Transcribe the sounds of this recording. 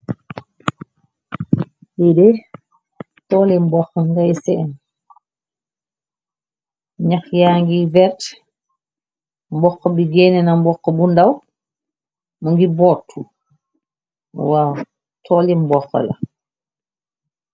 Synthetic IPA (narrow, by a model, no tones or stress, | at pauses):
bidɛ | tɔːlimbɔxŋɡajsɛːn | ɲaxjaːŋɡivɛt | mbɔxːɔbiɡɛnɛnambɔkːɔbundaw | muŋɡibɔtʰːu | waːw | tʰɔːlimbɔxɔ̰la̰